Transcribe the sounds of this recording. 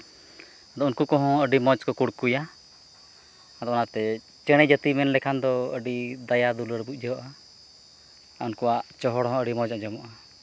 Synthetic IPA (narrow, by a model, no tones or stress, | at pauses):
ad̪ɔunkukɔɦɔ̃əɖimɔd͡ʒkɔkuɽkuja | ad̪ɔɔnat̪ɛ | t͡ʃɛɽ̃ɛd͡ʒət̪imɛnlɛkʰand̪ɔəɖid̪ajad̪uləɽbuc̚ˀd͡ʒɛɦɔʔa | aunkɔwaʔt͡ʃɔɦɔɽɦɔ̃əɖimɔd͡ʒad͡ʒɔmɔʔa